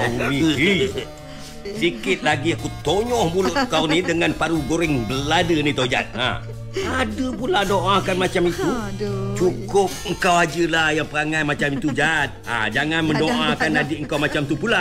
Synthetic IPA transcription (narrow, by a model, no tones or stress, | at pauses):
ii | sikɪt̪̚laɡiakut̪oɲɔhmulʊʔkaunidəŋanpaɾuɡoɾɪŋbəladənit̪awd͡ʒa̰t̪̚a̰ | adəpuladoʔakanmat͡ʃamit̪ut͡ʃukʊp̚əŋ̩kawad͡ʒəlahjaŋpəɾaŋajmat͡ʃamit̪ud͡ʒat̪̚a̰d͡ʒaŋanməndoʔãkanadiəŋkawmat͡ʃamt̪upula